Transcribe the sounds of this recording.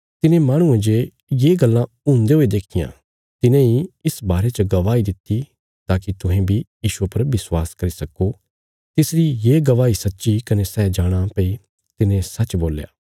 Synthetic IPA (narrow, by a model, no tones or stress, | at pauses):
t̪ɪnẽmaːɽ̃ʊ̃ẽd͡ʒe | jeːɡɐlːã | ʊ̃nd̪eɦoːed̪eːkʰɪjã̰ː | t̪ɪnẽiɪsbaːɾet͡ʃəɡɐʋaːid̪ɪt̪ːi | t̪aːkit̪ʊɦẽbʱijiːʃuepɐɾʋɪswaːskɐɾisɐkːo | t̪ɪsɾijeːɡɐʋaːisɐtːʃikɐnesɛːd͡ʒaːɽ̃ãpei | t̪ɪnẽsɐːt͡ʃboːlja̰ː